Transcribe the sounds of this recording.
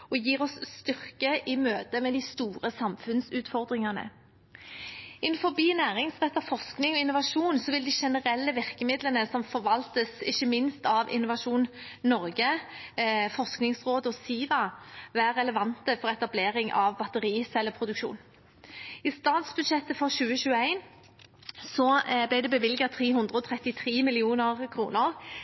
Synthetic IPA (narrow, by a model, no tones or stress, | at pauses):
ɔjiːʁɔsst̪ʏʁkəʔɪmøːt̪əmɛd̪ɪst̪uːʁəsɑmfʉnsʉːt̪fɔʁd̪ʁɪŋɑnə̰ | ɪnfɔbiːnæːʁɪŋsʁɛt̪ːɑfɔsknɪŋɔɪnʊʋɑʂuːnsɔʋɪld̪ɪʃɛnəʁɛlːəʋɪʁkəmɪd̪lənəsɔmfɔʋɑlt̪əsɪçːəmɪnst̪ɑʋɪ̰nːʊʋɑʂuːnnɔʁɡə | fɔsknɪŋsʁoːd̪əɔsiːʋɑʋæːɾɛləʋɑnt̪əfɔɾɛt̪ɑbleːɾɪŋʔɑ̰ʋbɑt̪əɾiːsɛlːəpʰɾʊd̪ʉkʃṵːn | ɪst̪ɑːt̪sbʉd̪ʃɛt̪ːəfɔʁɕʉːəɕʉːəæɪn | sɔblɪd̪ɛbəʋɪlɡɑt̪ʰʁiːhʉnd̪ɾʁəɔt̪ʰɾɛt̪ːɪt̪ʰɾiːmɪlɪuːnəʁkʰɾṵːnəɾ